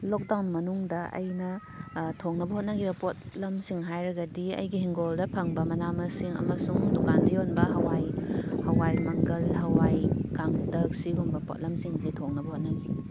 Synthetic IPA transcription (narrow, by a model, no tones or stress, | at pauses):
lok̚dawnmɐnuŋdɐɐ̰jnɐ | tʰoŋnɐbɐhot̚nɐɡibɐpot̚ | lɐmsiŋɦajɾɐɡɐdiɐ̰jɡihiŋɡoldɐpʰɐŋbɐmɐnamɐsiŋɐ̰mɐsuŋdukandɐjonbɐɦɐwajhɐwajmɐŋkɐlɦɐwajkaŋdɐk̚sibuŋbɐpo̰t̚lɐmsiŋzitʰoŋnɐbɐhot̚nɐɡi